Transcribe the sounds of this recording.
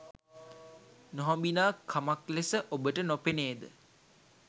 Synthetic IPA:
noɦãmbinaːkʰamaklesəʔobəʈənopeneːd̪ə̰

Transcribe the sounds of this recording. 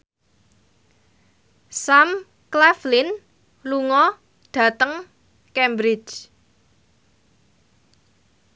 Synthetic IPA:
sam | klɛflɪn | luŋɔ | ɖ̥ä̤t̪əŋ | kɛmbɾɪt͡ʃ

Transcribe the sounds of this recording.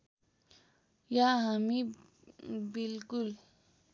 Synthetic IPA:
jaɦami | bilkul

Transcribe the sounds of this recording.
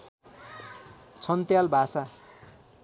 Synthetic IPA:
t͡sʰʌnt̪jalbʱasa

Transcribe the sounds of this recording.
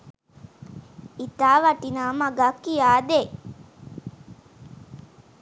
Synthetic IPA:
it̪aːʋɐʈinaːmaɡakːijaːd̪e

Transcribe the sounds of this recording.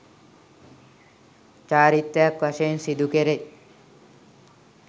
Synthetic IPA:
t͡ʃaːɾit̪ːɐjakʋaʃejnsid̪ukeɾe

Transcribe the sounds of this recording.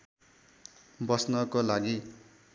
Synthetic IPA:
bʌsnʌkolaɡi

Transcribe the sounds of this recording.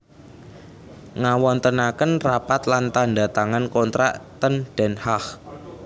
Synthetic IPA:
ŋawɔnt̪ənakənrapat̪lant̪anda̤t̪aŋankɔnt̪ɾa̰ʔt̪ənd̥ɛ̤nhah

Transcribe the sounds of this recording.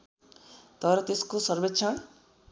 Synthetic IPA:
t̪ʌɾʌt̪eskosʌrbet̪ːt͡sʰʌn

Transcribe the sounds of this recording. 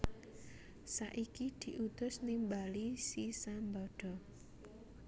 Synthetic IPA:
saʔikid̪̥i̤ʔut̪ʊsnimbalisisambɔɖ̥ɔ̤

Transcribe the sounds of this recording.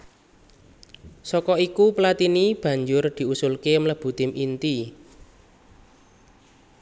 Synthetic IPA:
sɔkɔikupəlat̪inib̥ä̤ɲd͡ʒʊrd̪̥i̤usʊlkemləb̥ṳt̪ɪmʔint̪i

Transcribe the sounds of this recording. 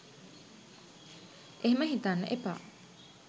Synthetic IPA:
ʔeɦeməɦit̪aːnːɐʔepa̰ː

